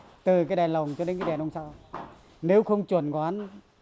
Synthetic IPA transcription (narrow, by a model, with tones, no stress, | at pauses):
t̪ɨ˨˩kaː˨˦ɗɛ˨˩nlə˨˩wŋ͡mt͡ɕɔ˧ɗe˨˦nkaː˨˦ɗɛ˨˩nʔə˧wŋ͡msaː˧ | ne˨˦wxə˧wŋ͡mt͡ɕwə˨˧˩nkɔ˨aː˧˨˦n